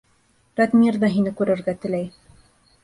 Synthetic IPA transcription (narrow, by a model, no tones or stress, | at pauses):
ɾɑt̪mʲird̪ɑɦinɘkʉɾɘ̆ɾɡæt̪ɘ̆læj